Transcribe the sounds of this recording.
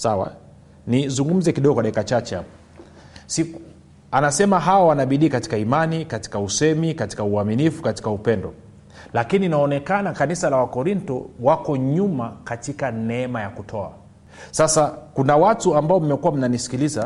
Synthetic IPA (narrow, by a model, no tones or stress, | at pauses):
sawa̰ | nizuŋɡum̩zɛkiɗɔɡɔkwaɗaikat͡ʃat͡ʃɛa̰ | siku | anasɛmaɦaawanaɓiɗiːkati̥kaimanikati̥kausɛmikati̥kauaminifu̥kati̥kaupɛndɔ̰ | lakininaɔnɛkanakanisalawakɔɾintɔ̰wakɔɲumakatikanɛɛmajakutʰɔa̰ | sasakunawatuambaɔm̩mɛkuwam̩nanisi̥kiliza